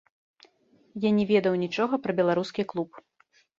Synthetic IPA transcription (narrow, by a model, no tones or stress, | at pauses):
janʲɛvʲɛd̪ɐwnʲit͡ʂɔɣɐpɾɐbʲɛlˠaɾuskʲiklˠup